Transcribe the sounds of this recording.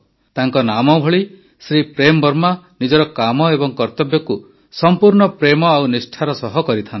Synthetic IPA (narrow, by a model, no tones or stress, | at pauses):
t̪aŋkɔnamɔbʱɔɭi | sɾipɾemɔbɔɾmanid͡ʒɔɾɔkamɔebɔŋkɔɾt̪ɔbjɔku | sɔmpuɾɳɔpɾemɔawnisʈʰaɾɔsɔɦɔkɔɾit̪ʰan